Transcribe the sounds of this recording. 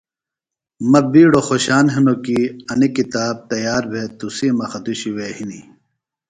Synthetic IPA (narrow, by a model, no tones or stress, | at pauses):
mɐbiːɽoxoɕaːnɦinokiɐnikit̪aːb̚t̪ɐjaːɾbʱet̪usimɐxɐd̪uɕiweːhini